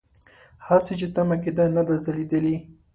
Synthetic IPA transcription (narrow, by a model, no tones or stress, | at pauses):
haset͡ʃet̪amaked̪anad̪azalid̪əli